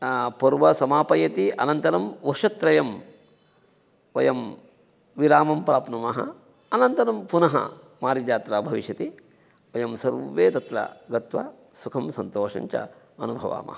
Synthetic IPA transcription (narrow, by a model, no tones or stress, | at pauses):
pɐɾʋɐsɐmaːpɐjɐt̪iʔɐnɐnt̪ɐɾɐmʋɐʃɐt̪ɾɐjɐm | ʋɐjɐm | ʋilaːmɐmpɾaːpnɐmɐɦɐ̰ | ɐnɐnt̪ɐɾɐmpunɐɦɐ̰ | maːɾid͡ʒaːt̪ɾaːbʱɐʋiʃjɐt̪i | ʋɐjɐmsɐɾʋeːt̪ɐt̪ɾɐ̰ɡɐt̪ʋɐ̰ | sukʰɐmsɐnt̪oːʂɐ̰ɲt͡ʃɐ̰ | ɐnubʱɐʋa̰ːmʔɐ̰ɦɐ